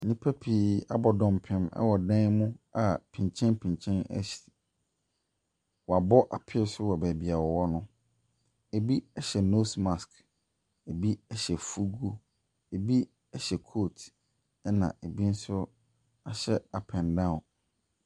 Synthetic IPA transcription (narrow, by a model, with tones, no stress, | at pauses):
nĩ˦pʰæ˦pʰi˨a˦bɔ˨dɔ̃˨m˨pʰɪ̃˦mɛ̰˦wɔ˨dɛ̃˦nmʊ̃˦a˨pʰĩ˨ɲ˨t͡ɕʰɛ̃˦npʰĩ˨ɲ˨t͡ɕʰɛ̃˦nɛ̰˦ɕi̥˨ | wɔ˨a˨bɔ˦ʔa˨pʰɪ˦sʊ˦wɔ˨bæ˨bi˨a˨wɔ˨wɔ˦nʊ̃˦ | e˨bi˦ɛ˦ɕɛ˨no˦smã˨sk | e˨bi˦ɛ˨ɕɛ˨fu˦ɡu˦ | e˨bi˦ | ɛ˦ɕɛ˨kʰo˦˨tʰ | ɛ˦nã̰˨e˨bi˦n̩˦sʊ˦ | a˨ɕɛ˦a˨pʰɛ̃˨ndã˦˨ʊ̃˨n